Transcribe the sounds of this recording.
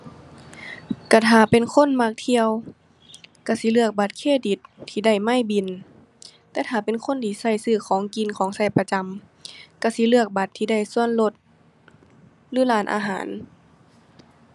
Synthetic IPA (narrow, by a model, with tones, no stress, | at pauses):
ka˧˩t̪ʰaː˨˧˩pe˨nkʰo˧˥˨nmaː˧k̚t̪ʰi˧ə˨w | ka˧˩si˧˦lɯ˧˩ək̚ba˧˦t̪̚kʰeː˧˩di˨˧˦t̪ʰːiː˧da˧˩jma˧˥˩jbi˧˩˨n | t̪ɛː˧˥t̪ʰaː˧˩pe˨nkʰo˧˥˨nt̪ʰiː˧˩sa˧˩jsɯː˧˩kʰɔː˨˦ŋki˨˧˥nkʰɔː˨˦ŋsa˧˩jpa˧t͡ɕa˧m | ka˧˩si˧˦lɯ˧˩ək̚ba˧˦t̪ʰːiː˧da˧˥˩jsu˧˨ənlo˧˦t̪̚ | lɯː˧˦laː˧˩nʔa̰ː˧ɦa̰ː˨˦n